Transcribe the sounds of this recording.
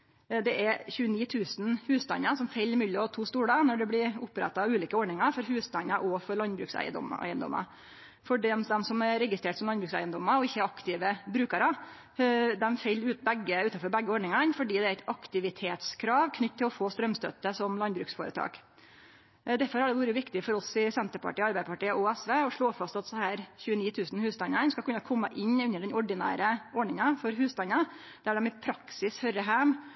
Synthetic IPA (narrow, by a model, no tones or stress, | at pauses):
d̪ɛʔɛɾçʉːəniːt̪ʰʉːsn̩hʉːst̪ɑ̰nːəsɔmfɛlːmʉlːəɔt̪ʰuːst̪uːɽənɔɖɛblɪɾʊpːɾɛ̰t̪ːɑɑʉːliːkəɔɖɳɪŋɑɾfɔɾɦʉːst̪ɑnəɾʔɔfɔɾɭɑnbɾʉ̰ːksæ̰ɪə̰d̪ɔ̰mæ̰ɪənd̪ɔ̰mːə̰ɾ | fɔɖɛmd̪ɛmsɔmɛɾɾɛɡɪst̪ɾeːʈsɔmlɑnbɾʉːksæ̰ɪənd̪ɔməɾɔɪçːəɛɾɑkt̪ɪʋəbɾʉːkəɾə | d̪ɛmfɛlːʉːt̪̚bɛɡːəʉːt̪ɑfɔɾbɛɡːəoːɖɳɪŋɑnfɔɖiːd̪ɛæɾæɪt̪ɑkt̪ɪʋɪt̪ʰeːt̪skʰɾɑːʋkʰnʏt̪ːt̪ʰːɪlɔfoːst̪ɾœmst̪œ̰t̪ːəsɔmlɑnbɾʉːksfoːɾət̪ʰɑ̰ːk | d̪æɾfɔɾhɑɖɛʋuːɾəʋɪkt̪ɪfɔɾɔsɪsɛnt̪əɾpʰɑ̰ʈiːɑɾbæɪd̪pʰɑʈiːəʔuɛsʋeːɔʂɭoːfɑst̪ɑt̪shæːɾçʉːəniːt̪ʰʉːsn̩hʉːst̪ɑnɑnskɑkʉnːɑkʰɔmːəʔɪnːʉnːəɖɛnɔɖɪnæ̰ːɾəɔɖɳɪŋɑfɔɾɦʉːst̪ɑnɑ | d̪̥æɖɛmɪpʰɾɑksɪshœɾəɦæm